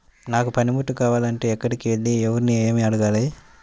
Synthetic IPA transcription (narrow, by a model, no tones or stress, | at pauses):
naːkupɐnimuʈːukaːʋaːlɐɳʈeːɛkːɐɽikiʋeɭːiɛʋɐɾunieːmiɐɽuɡaːlɐji